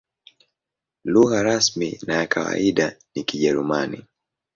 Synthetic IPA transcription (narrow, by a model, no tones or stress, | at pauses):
luɣaɾasmḭnajakʰawa̰iɗanikiʄɛɾumanḭ